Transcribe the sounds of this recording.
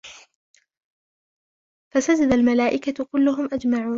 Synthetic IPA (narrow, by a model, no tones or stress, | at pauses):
fasad͡ʒad̪almalaːʔɪkakʊlːʊɦʊmʔad͡ʒmaʕuːn